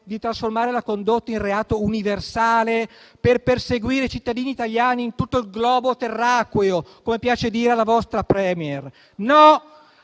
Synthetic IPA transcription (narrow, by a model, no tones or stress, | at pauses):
d̪it̪ɾasformaːɾelakond̪ot̪ːainreaːt̪ouniversaːleperperseɡwiːɾet͡ʃit̪ːad̪iːniːt̪aʎjaːniːnt̪ut̪ːoilɡlɔːbot̪erːakweokomepjaːt͡ʃed̪iːɾealavɔst̪ɾapɾɛːmjer | nɔ